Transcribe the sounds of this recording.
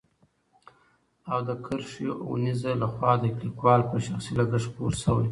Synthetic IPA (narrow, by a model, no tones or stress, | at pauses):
ad̪əkʰəɾʂijoʔunizalaxwɑd̪əklikwɑlpəʃaxsilaɡəʂpoɾsəwaj